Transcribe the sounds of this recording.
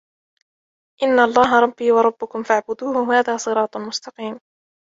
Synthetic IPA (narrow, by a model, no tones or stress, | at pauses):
ʔɪnːaɑlˤːɑːɦɑɾˤɑbːiːwɑɾˤɑbːʊkʊmfaʕbʊd̪uːhʊhaːðaːsˤɨɾɑːt̪ˤmʊst̪ɑqiːm